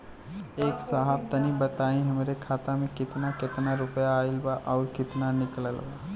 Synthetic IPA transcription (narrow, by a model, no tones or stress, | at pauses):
eːksaɦab̚t̪ənibət̪aːĩɦəmɾekʰaːt̪amẽkɪt̪nakɪt̪naɾʊpjaːɪlbaʔɔːɾkɪt̪nanɪkləlba